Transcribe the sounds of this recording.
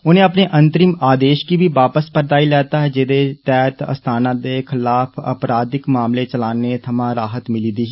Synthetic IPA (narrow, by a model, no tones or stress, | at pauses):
ʊnẽːəpneːʔənt̪ɾɪmaːd̪eːʃkiːbʱiːʋaːpəspəɾt̪aːilɛːt̪aːɦɛːd͡ʒɪd̪eːt̪ɛːt̪ə̰st̪ʰaːnãːd̪eːkʰɪlaːpʰə̰pɾaːd̪ɪkmaːmleːt͡ʃəlaːneːt̪ʰəmãːɾaːɦət̪mɪliːd̪iːɦː